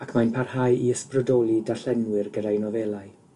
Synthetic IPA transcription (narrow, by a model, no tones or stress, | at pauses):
akʰmanpʰarhajiəsprədɔlˠidaɬɛnwɪrɡədajnɔvɛlˠaɨ